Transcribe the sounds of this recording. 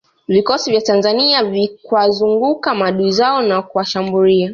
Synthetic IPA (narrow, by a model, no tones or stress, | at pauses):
vikɔsivjatanzaniavikwazuŋɡukamaɗuizaɔnakuwaʃambulia